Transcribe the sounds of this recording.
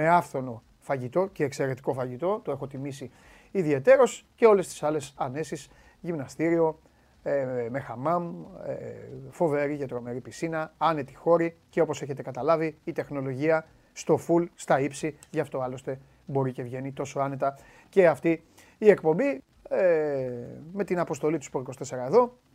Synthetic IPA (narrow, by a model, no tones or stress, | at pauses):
me̞ɐfθo̞no̞ | fɐʝit̪o̞ce̞ːkse̞ɾe̞t̪i̥ko̞fɐʝit̪o̞t̪oe̞xo̞t̪imisi | iðie̞t̪e̞ɾo̞sce̞o̞le̞st̪i̥sɐle̞sɐne̞sis | ʝimnɐst̪iɾio̞ | eme̞xɐmɐmefo̞ve̞ɾicet̪ɾo̞me̞ɾipisinɐɐne̞t̪i̥xo̞ɾice̞opose̞çe̞t̪e̞kɐt̪ɐlɐviːt̪e̞xno̞lo̞ʝiɐ | st̪o̞fulst̪ɐipsi | ʝɐft̪o̞ɐlo̞st̪e̞ | bo̞ɾice̞vʝe̞nit̪o̞so̞ɐne̞t̪ɐ | ce̞ɐft̪iː | e̞kpo̞mbi | e | me̞t̪inɐpo̞st̪o̞lit̪uspɾoikost̪e̞se̞ɾɐe̞ðo̞